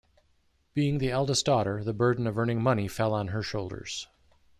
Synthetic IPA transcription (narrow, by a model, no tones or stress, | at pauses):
b̥iɪ̃ŋðiɛlˠdəsd̥ɔɾə˞ðəbɜ˞dⁿn̩ʌvɜ̃˞nɪ̃ŋmʌnifɛlˠə̃nə˞ʃoʊlˠdə̰˞z̥